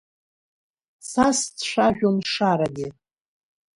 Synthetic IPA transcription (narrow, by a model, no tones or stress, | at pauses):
sast͡sʃʷaʒᶣonʂaɾaɡʲɪ